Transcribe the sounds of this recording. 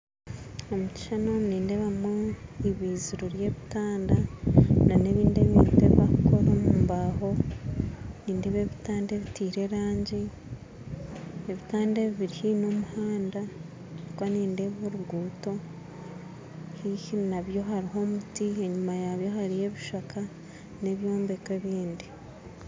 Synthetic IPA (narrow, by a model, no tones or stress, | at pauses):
omuci̥ʃanoniːndeβamoiβiːziɾuɾjeːβitaːndanane̞βiːndeβḭːndeββakoɾomumbaho̞ | niːnde̞βeβitaːndeβitiːɾe̞ɾaːɲɟi | eβitaːndeβiβiɾihino̞muhaːnda | ikwaniːnde̞βoɾuɡuːto̞ | hihinaβjo̞ɦaɾiɦo̞mutie̞ɲumajaβjo̞ɦaɾije̞βiʃaka | ne̞βjo̞ːmbe̞kwe̞βiːndi